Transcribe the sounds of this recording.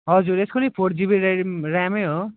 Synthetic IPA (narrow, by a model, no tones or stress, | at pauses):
ɦʌd͡zuɾeskonʌjpʰoɽd͡zibeɾrameɦo